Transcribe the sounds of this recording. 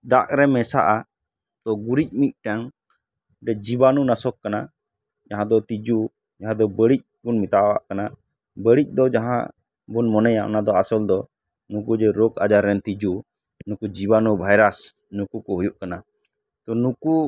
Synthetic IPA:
d̪aʔɾɛmɛsa̰ʔa | t̪ɔɡuɾic̚mic̪̚ʈaŋ | ɖɛd͡ʒibanunasɔkːana | d͡ʒaɦãd̪ɔt̪id͡ʒu | d͡ʒaɦãd̪ɔbəɽic̚bunmit̪aʔwa̰ʔkana | bəɽic̚ˀd̪ɔd͡ʒaɦã̰ | bunmɔnɛjaʔɔ̰nad̪ɔasɔld̪ɔ | nukud͡ʒɛɾɔkad͡ʒaɾɛnt̪id͡ʒu | nukud͡ʒibanubʱajɾas | nukukɔɦujuʔkana | t̪ɔnuku

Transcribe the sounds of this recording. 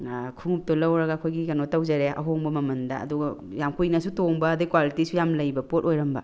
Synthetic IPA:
kʰuŋup̚tolɐwɾɐɡaːkʰojɡikɐnotɐwd͡ʒaɾeɐ̰ɦoŋbɐmɐmɐndɐɐ̰duɡɐ | jamkʰujnɐsutoŋbɐːdikwalitisujamlɐjbɐpot̚ojɾɐmbɐ̰

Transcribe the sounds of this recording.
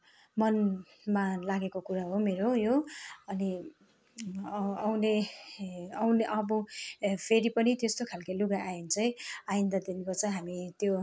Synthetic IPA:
mʌn | malaɡekokuɾaɦomeɾojoʌni | awne | ʌwneʔʌbʌpʰeɾipʌnit̪est̪okʰalkailuɡaʔajint͡sʌj̃ajind̪ʌd̪inkot͡sʌ̃ɦamit̪jo

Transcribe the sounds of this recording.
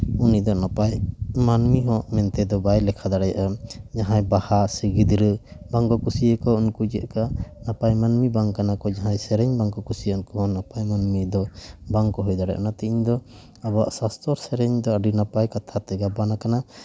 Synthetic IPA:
unid̪ɔnapajmanmiɦɔ̃ʔmɛnt̪ɛd̪ɔbajlɛkʰad̪aɽɛjaʔad͡ʒaɦãjbahasiɡid̪ɾəbaŋkɔkusijəkɔunkud͡ʒɛ̰ʔkanapajmanmibaŋkanakɔd͡ʒaɦãjsɛɾɛɲbaŋkɔkusijənkɔɦɔ̃napajmanmid̪ɔbaŋkɔɦujd̪aɽɛ̰ʔnat̪iʔiɲd̪ɔ | abaʔsast̪ʰɔɾsɛɾɛɲd̪ɔaɖinapajkat̪ʰat̪ɛɡabanakana

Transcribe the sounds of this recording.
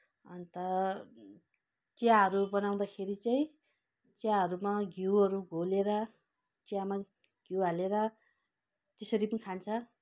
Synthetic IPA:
ʌnt̪ʌ | t͡sjaɦʌɾubʌnaw̃d̪akʰeɾit͡saĩ | t͡sjaɦʌɾumaɡiwʌɾuɡʱoleɾʌ | t͡sjama | ɡ̥iwaleɾʌ | t̪esʌɾipʌnikʰant͡sʰʌ

